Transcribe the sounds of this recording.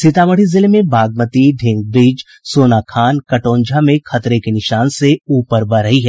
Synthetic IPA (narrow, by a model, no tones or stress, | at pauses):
sɪt̪aːməɽ̤izɪlmẽbʱaːɡ̚mət̪iɖʱɪ̃ŋɡ̚bɾiːd͡ʒ | soːnakʰaːnkɐʈõːɲd͡ʒʱamẽxɐt̪ɾekenɪʃaːnseuːpəɾbɐɾəɦiɦɛː